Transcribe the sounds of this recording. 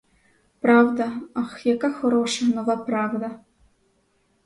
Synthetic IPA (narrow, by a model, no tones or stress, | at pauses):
pɾɑwd̪ɐɐxjɐkaxɔɾɔʃɐnɔʋapɾɑwd̪ɐ